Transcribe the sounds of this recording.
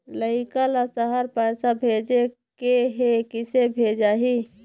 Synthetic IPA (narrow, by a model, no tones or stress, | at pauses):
ləɪkalasəɦəɾpɛɪsabʱed͡ʒekeɦekɪsebʱed͡ʒaːɦi